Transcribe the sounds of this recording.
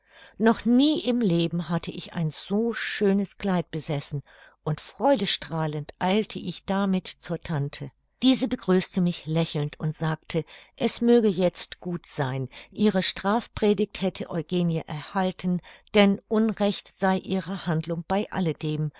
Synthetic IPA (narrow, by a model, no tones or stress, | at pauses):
nɔχniːʔɪmleːbm̩ɦatʰəʔɪça̰ɪnzoːʃøːnəskl̥aɪt̚b̥əzɛsn̩ | ʔʊntfʁ̥ɔʏdəʃtʁ̥aːləntʔaɪltʰəʔɪçd̥amɪtt͡suːɐtʰantʰə | d̥iːzəbəɡʁyːstəmɪçlɛçl̩ntʰʊntz̥aːk̚tʰəʔɛsmøːɡəjɛt͡stɡ̥uːtz̥aɪnʔiːʁəʃtʁ̥aːfpʁ̥eːdɪç̚thɛtʰəʔɔʏɡeːnjaʔɛɐhaltʰn̩d̥ɛnʔʊnʁɛçtz̥aɪʔiːʁəhandlʊŋb̥aɪʔa̰lədeːm